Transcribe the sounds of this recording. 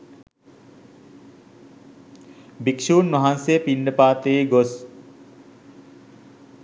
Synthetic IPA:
bikʃuːnmɐɦansejəpinɖəpaːt̪eːɡos

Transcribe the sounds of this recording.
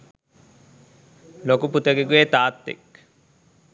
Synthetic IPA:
lokuput̪ɐɡeɡuet̪aːt̪ːḛk

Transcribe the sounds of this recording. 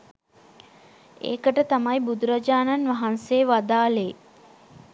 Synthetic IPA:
ḛːkəʈət̪amajbud̪uɾad͡ʒaːnanʋaɦanseʋad̪aːle

